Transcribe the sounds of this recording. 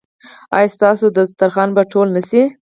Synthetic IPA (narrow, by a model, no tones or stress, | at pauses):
ɑ̰jɑst̪ɑsod̪əst̪aɾxɑnbaʈʰolnəsi